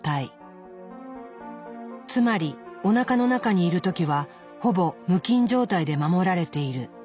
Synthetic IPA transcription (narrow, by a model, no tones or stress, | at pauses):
t̪ai | t͡sɨmaɾʲio̞nakano̞nakaɲ̟iːɾɯ̟t̪o̞kʲiβa | ho̞bo̞mɯ̟kʲĩɲ̟d͡ʑo̞ːt̪aid̪e̞mamo̞ɾaɾe̞t̪e̞iɾɯ̟